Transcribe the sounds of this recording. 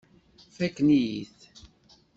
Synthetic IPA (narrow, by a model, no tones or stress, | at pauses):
fækːnijiθ